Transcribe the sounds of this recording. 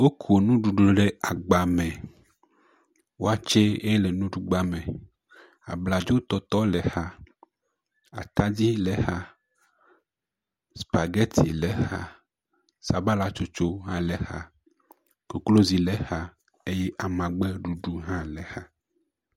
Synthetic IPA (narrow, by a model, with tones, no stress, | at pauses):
wo˦kʰu˨o˨nũ˦ɖu˨ɖu˨ɖe˦a˨ɡ͡ba˨mɛ̃˨ | wo˦a˦˨t͡ʃe˦e˦lɛ˨nũ˦ɖu˨˦ɡ͡ba˦mẽ˨ | a̰˨bla˨d͡ʒo˦t̪ɔ˦t̪ɔ˦lɛ˨ha˦ | a̰˨t̪a˦d͡ʑi˦lɛ˨ha˦ | spa˨ɡɛ˦t̪ʰi˨lɛ˨ha̰˦ | sa˨ba˦la˦t͡ʃo˦t͡ʃo˦ɦã˦lɛ˨ha̰˦ | ko˨klo˦zi˨lɛ˦ha˦ | e˦jɛ˦ʔa˨mã˨ɡ͡bɛ˦ɖu˨ɖu˦ɦã˦lɛ˨ha˦